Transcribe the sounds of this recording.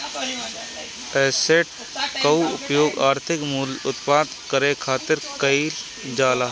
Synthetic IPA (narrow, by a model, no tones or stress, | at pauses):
ɛːseʈ | kɐuʊpjoːɡaːɾt̪ʰɪkmuːlʊt̪paːd̪kəɾẽkʰaːt̪ɪɾkəil | d͡ʒaːlaː